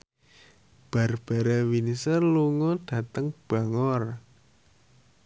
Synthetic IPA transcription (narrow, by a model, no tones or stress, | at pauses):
b̥a̤rb̥a̤ɾawinisəluŋɔɖ̥ä̤t̪əŋb̥a̤ŋɔr